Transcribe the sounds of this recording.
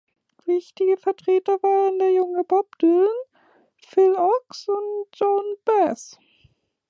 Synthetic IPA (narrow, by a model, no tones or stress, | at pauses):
vɪçtɪɡəfɛɐtʁ̥eːtɐvaːʁəndeːɐjʊŋəbɔp̚d̥øn | fɪlɔksʊntʒ̥ɔnb̥ɛs